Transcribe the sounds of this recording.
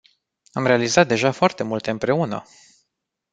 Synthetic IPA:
amɾe̞alizat̪̚d̪e̞ʒafoart̪e̞mult̪e̞ɨmpɾe̞unə̰

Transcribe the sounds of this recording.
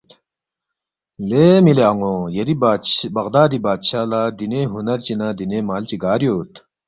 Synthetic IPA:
leːmileɐŋõjɐɾibɐɣd̪aːd̪ibaːt̪ɕaːlaːd̪ineɦunɐɾt͡ɕinaːd̪inemaːlt͡ɕiɡaːɾjoːt̪

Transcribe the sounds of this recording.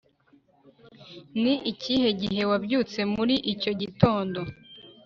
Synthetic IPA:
niʔicihe̞ɟiɦe̞wabɟuːt͡se̞muɾiʔico̞ɟito̞ːndo̞

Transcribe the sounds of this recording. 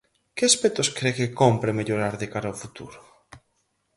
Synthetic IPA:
kɪaspet̪oskɾekekompɾemeʎoɾaɾðekaɾaofut̪ṵɾʊ

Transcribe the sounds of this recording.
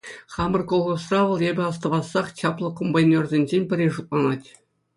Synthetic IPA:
χɑmɤ̆rkolˠʁɤ̆srɑʋɤ̆lˠebʲɘ̆ɑst̪ɤ̆ʋɑsːɑχɕɑplˠɤ̆kombɑnʲːerzʲenʲʑenʲpʲɘ̆rʲeʐut̪̚lˠɑnɑtʲ

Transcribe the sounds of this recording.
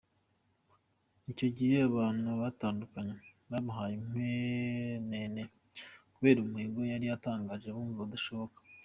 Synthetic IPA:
ico̞ɟihe̞aβaːn̥uβataːndukaɲe | βamuɦajim̥wenene | kuβe̞ːɾumuiːɡojaɾijataːŋɡaːʒe̞βuːɱvduʃo̞βo̞kḁ

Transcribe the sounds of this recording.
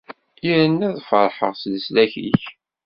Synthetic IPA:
iɾənːæðfəɾˤħə̰ʁslslæçḭç

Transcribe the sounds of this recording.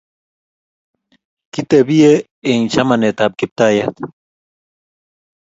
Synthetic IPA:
kit̪ebije | eĩt͡ɕʰɐmɐnet̪aːb̚kip̚t̪aːjɐt̪

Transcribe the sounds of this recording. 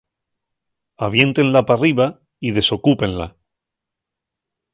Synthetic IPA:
aβ̞je̞nt̪e̞nlapariβa | ið̞e̞so̞kupẽ̞nla̰

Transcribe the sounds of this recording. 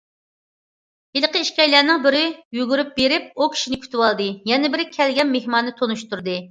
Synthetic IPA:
ilˠqʰəiʃkʲɛjlæɾnɪŋbɪɾɪjyɡʲyɾyp̚beɾɪp̚ukʲʰi̥ʃinɪkʲʰy̥t̪ʰɪwɑlˠd̪ɨjɛnɪbɪɾɪkʲʰɛlɡʲɛnmehmɑnːɨt̪ʰonuʃt̪uɾd̪ɨ

